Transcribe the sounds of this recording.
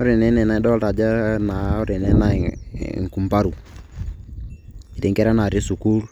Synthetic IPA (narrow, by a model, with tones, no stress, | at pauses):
o˦ɾe˨nɛ˦nɛ˨na˨ɛ˦dɔ˦ta˨d͡ʒa˦na˨˦o˦ɾe˨nɛ˦na̰˨ŋku˨mpa˦ɾu˨ | i˨ɾe˨ŋkɛ˦ɾa˦na˨ɾɪ˦su˨ku˦ɾ